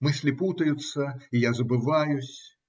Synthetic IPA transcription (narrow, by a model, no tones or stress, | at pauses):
mɨsʲlʲɪput̪əjʊt̪sːəijazəbɨvajʊsʲ